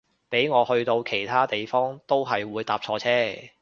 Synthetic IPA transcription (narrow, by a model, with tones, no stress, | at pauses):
pe˨˥jŋɔː˨˧hɵ˧ɥt̪o˧wkʰe˨˩jt̪ʰaː˥t̪e˨jfɔː˥ŋt̪o˥wɦɐ˨jwuː˨˧jt̪aː˨p̚t͡ʃʰɔː˧t͡sʰɛː˥